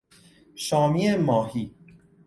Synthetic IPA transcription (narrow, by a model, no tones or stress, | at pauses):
ʃɒːmiemɒːhiː